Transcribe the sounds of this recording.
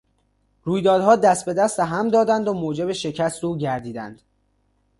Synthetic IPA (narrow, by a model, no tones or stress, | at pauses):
ɾuːjd̪ɒːd̪hɒːd̪æst̪̚be̞d̪æst̪eɦæmd̪ɒːd̪ænd̪omoːd͡ʒe̞beʃe̞cʰæst̪uːɟæɾd̪iːd̪æ̰nd̪̥